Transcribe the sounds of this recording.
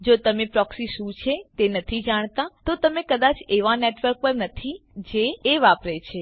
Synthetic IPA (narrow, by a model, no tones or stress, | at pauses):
d͡ʒot̪əmepɾɔksiʃũt͡ʃʰet̪enət̪ʰid͡ʒaɽ̃t̪ãt̪ot̪əmekəd̪at͡ʃeʋaneʈʋəɾk̚pəɾnət̪ʰid͡ʒeːʋapɾet͡ʃʰe